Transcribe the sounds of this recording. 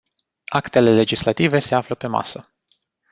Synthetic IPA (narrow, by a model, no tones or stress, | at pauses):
akt̪e̞le̞le̞d͡ʒislat̪ive̞se̞afləpe̞ma̰sə